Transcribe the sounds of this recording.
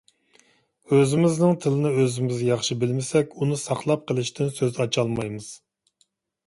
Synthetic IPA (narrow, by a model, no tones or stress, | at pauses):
øzɪmɪznɪŋt̪ʰɨlˠɨnɪøzɪmɪzjɑχʃibɪlmɪsɛkʲunɨsɑχlˠɑp̚qʰəlˠɪʃt̪ʰɪnsøzɑt͡ʃʰɑlˠmɑjmɨz̥